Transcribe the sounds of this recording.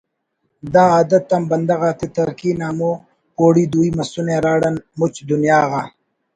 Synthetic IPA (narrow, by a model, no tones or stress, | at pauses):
d̪aːaːd̪ɐt̪ːɐmbɐnd̪ɐɣaːt̪it̪ɐɾkiːnaːmoː | poːɽiːd̪uːimɐsuneːɾaːɽɐnmut͡ɕd̪unjaːɣaː